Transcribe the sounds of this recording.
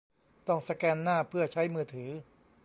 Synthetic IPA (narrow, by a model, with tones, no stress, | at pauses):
t̪ɔ˥˩ŋsa˧kɛː˧nːaː˥˩pʰɯ˥˩ɐt͡ɕʰa˦˥jmɯː˧t̪ʰɯː˩˦